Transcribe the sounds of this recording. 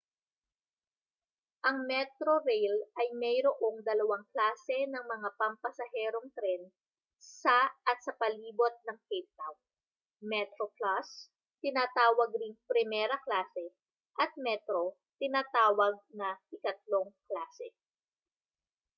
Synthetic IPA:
ʔɐŋmɛt̪ɾoɾɛjlʔɐjmɛjɾoʔo̞ŋd̪ɐlɐwaŋklaːsɛnɐŋmɐŋapɐmpɐsɐɦɛːɾoŋt̪ɾɛn | sɐɐt̪̚sɐpɐliːbo̞t̪̚nɐŋkejp̚t̪awn | mɛt̪ɾoklas | t̪ɪnaːt̪aːwɐɡ̚ɾɪŋpɾɪmɛːɾɐklaːsɛ | ʔɐt̪̚mɛt̪ɾo̞ | t̪ɪnaːt̪aːwɐɡ̚nɐʔɪkɐt̪̚loŋklaːsɛ

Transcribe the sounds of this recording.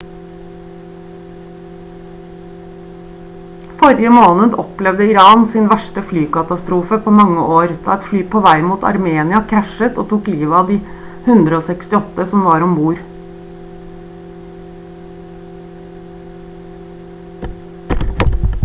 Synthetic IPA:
fɔɾɪəmoːnəd̪ɔplɛʋd̪əɪɾɑːnsɪnʋæʃʈəflyːkɑt̪ɑst̪ɾuːfəpʰoːmɑŋːəʔoːɾd̪̥ɑ̰ːɛt̪flyːpʰoːʋæɪmuːt̪ʰɑ̰ɾmeːnɪɑkʰɾæʃət̪o̰ːt̪ʰuːkliːʋɑːd̪iː | hʉnd̪ɾəoːsɛkst̪ɪɔt̪əsɔmʋɑːɾɔmbuːɾ

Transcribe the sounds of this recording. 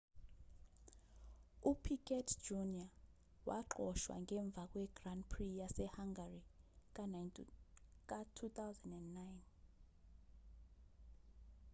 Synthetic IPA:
upʰikʰʼɛtʰd͡ʒunia | wʔa̰ǃɔʃwa̰ŋʱɛɱb̪vʱak̬ʼwɛɡ̥randpʰrijasɛhaŋɡarik̬ʼa | k̬ʼatʰut̪ʰawzɛndɛndːajn

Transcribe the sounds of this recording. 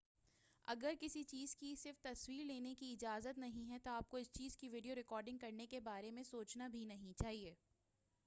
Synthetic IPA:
ɐ̰ɡəɾkɪsit͡ʃiːzkisɪɾft̪ɐswiːɾleːnekiɪd͡ʒaːzət̪nɐɦĩɦɛt̪oaːp̚koɪst͡ʃiːzkiʋiːɖijoɾɪkɔːɾɖɪ̃ŋɡkɐɾnekebaːɾemẽsoːt͡ʃnabʱinɐɦĩt͡ʃaːɦieː

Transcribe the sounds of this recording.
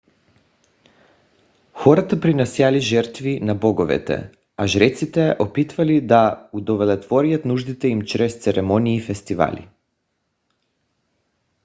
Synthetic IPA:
xɔɾat̪apɾinɛsjaliʒɛɾt̪vinabɔɡɔvɛ̰t̪ɛ̰ | aʒɾɛt̪sit̪ɛʔopit̪valid̪aud̪ɔvɛlɛt̪vɔɾijat̪nuʒd̪it̪ɛimt͡ʃɾɛst̪sɛɾɛmɔniːfɛst̪iva̰lḭ

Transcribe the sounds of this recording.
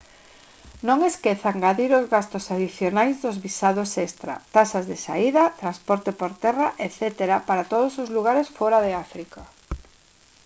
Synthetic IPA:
nõŋeskeθaŋɡaðiɾozɣast̪ʊsaðiθjonajzðʊzβisaðosest̪ɾa̰t̪asazðesa̰iðɐt̪ɾanspɔɾt̪epoɾt̪ɛraʔeθɛt̪eɾapaɾat̪oð̞osozluɣ̞aɾesfɔɾaðeafɾika

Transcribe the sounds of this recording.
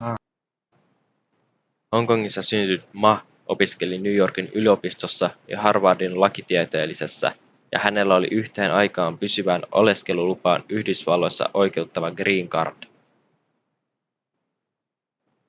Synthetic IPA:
ho̞ŋko̞ŋːisːɑsynt̪yt̪mɑ | ʔo̞pisk̟e̞linjyːjo̞rkinylio̞pist̪o̞sːɑjɑ̰ɦɑrʋɑdinlɑkit̪iɛt̪e̞ːlise̞sːæ̰ | jɑ̰hæne̞lːæo̞lḭʔyçt̪e̞ːnʔɑjkɑːmpysyʋænʔo̞̰le̞ske̞lulupɑːnyhdysʋɑlːo̞jsːɑ̰ʔo̞jk̟e̞wt̪ːɑʋɑɡriːŋkɑ̰rd̥

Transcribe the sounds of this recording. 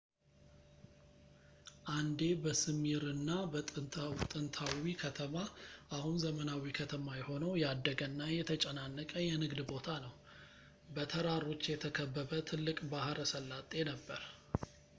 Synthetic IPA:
ʔand̪e̞bəsɨmiɾɨnːabət̪ʼɨnt̪ʰawikʰət̪ʰəmaʔahunzəmənawikʰət̪ʰəmajɛho̞nəwjɛad̪ːəɡənːajɛt̪ʰət͡ʃʼənanːəkʼəjɛnɨɡd̪bo̞t̪ʰanəw | bət̪ʰəɾaɾo̞t͡ʃːjɛt̪ʰəkʰəbːəβət̪ʰɨlːɨkʼbahɾəsəlːat̪ʼːe̞nəbːəɾ

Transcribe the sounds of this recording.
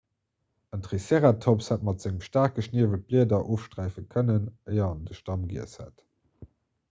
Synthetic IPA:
əntʁiseːʁatʰopshæt̚mɑtz̥ɪŋəmʃtaːʁk̚ɡəʃniəvət̚b̥liədɐʔoːfʃtʁæɪfəkʰənənəɪɐɑndəʃtɑmɡḭəshæ̰t

